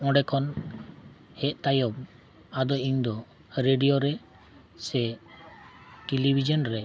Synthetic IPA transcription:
ɔ̃ɖɛkʰɔn | hɛt̪ajɔb̚ | ad̪ɔʔiɲd̪ɔ | ɾeɖijɔɾɛ | sɛ | ʈilibʱid͡ʒɔnɾɛ

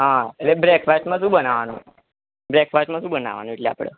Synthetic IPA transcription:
ɦãəlebɾekfajʈməsubənaʋanṵ | bɾekfajʈməsubəna̰ʋa̰nuiʈlɛa̰pɽə̰ː

